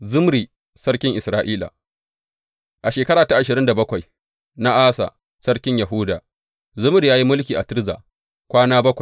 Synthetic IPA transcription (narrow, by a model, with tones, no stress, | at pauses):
zʊ˦mɾi˨ | sɐ˦rkʲɪ˦ŋʔɪ˨sɾaː˦ʔiː˦la̰˨ | ʔa˨ʃeː˨kɐ˦ɽaː˨ta˦ʔa˨ʃɪ˨ɾɪ˦nda˨bɐ˦kʷa˨j | na˦ʔaː˦sa̰˨ | sɐ˦ɽkʲɪ˦ɲjɐ˨ɦʊ˦da̰˨ | zʊ˦mɾi˨jaː˦ji˦mʊ˦lkʲiː˨ʔa̰˨tɪ˦ɾza̰ː˨ | kʷaː˦naː˦bɐ˦kʷa˨j